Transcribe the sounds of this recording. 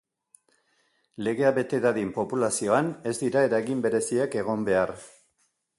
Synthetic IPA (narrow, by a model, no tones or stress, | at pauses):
le̞ɣe̞aβe̞t̪e̞ɾaðimpo̞pulasio̞ane̞zd̪iɾae̞ɾaɣimbe̞ɾe̞siake̞ɣ̞o̞mbe̞aɾ